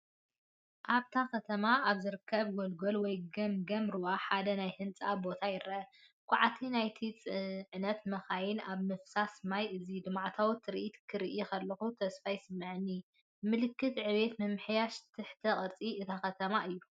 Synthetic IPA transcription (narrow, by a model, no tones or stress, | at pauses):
ʔaβt̪ʰakɐt̪ʰɐmaʔaβzɨɾɨkʰːɐβɡolɡolwɔjɡɐmɡɐmɾɨwaħad̪ɐnajhɨnt͡sʼabo̞t̪ʰajɪɾʔɐ | kʷʰʼaʕat̪ʰinajt̪ʰit͡sʼɨʕnɐt̪mɐxajɪnaβmɨfsasɨmajʔɨzid̪ɨmʕt̪ʰawt̪ʰːɨɾiʔit̪kʰɨɾiʔikʰɐlːɐxut̪ʰɐsfajsɨmːɨʕɨnːi | mɨlɨkːɨt̪ʕɨβe̞t̪mɨmħjaʃt̪ʰɨħt̪ʰɐχʼɨɾt͡sʼiɨt̪ʰakɐt̪ʰɐmaʔɨjːu